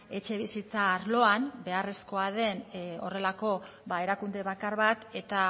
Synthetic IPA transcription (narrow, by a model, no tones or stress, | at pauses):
e̞t͡ʃe̞β̞isit͡saːɾlo̞anbe̞are̞sko̞aðe̞no̞re̞lako̞ | βae̞ɾakund̪e̞βakaɾβat̪e̞t̪a